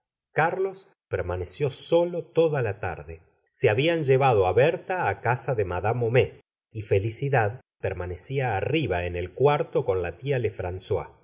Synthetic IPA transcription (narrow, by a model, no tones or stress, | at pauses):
kaɾlo̞s | peɾmanesjo̞so̞lot̪oðalat̪a̰ɾðe | seaβianʒeβað̞oaβeɾt̪aːkasaðemaðamome | ife̞lisiðað | peɾmanesiaːriβaenelkwaɾt̪oko̞nlat̪ialefɾanswa̰